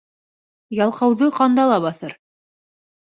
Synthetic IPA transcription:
jɑlˠqɑwðɤqɑnd̪ɑlˠɑβɑθɤɾ

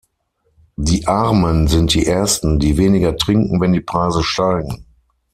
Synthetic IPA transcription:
diːʔaʁmənzɪnt̚d̥iːʔeːɐstn̩diːveːnɪɡɐtʁ̥ɪŋkŋ̩vɛndiːpʁ̥aɪzəʃtaɪɡŋ̩

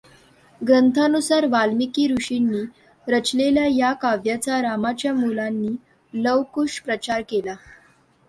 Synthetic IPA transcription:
ɡɾənt̪ʰanusaɾʋalmikiːɾuʂinːiː | ɾət͡ɕlelajakaʋjat͡saɾamat͡ɕjamulanːiː | ləʋkuʂpɾət͡ɕaɾkela

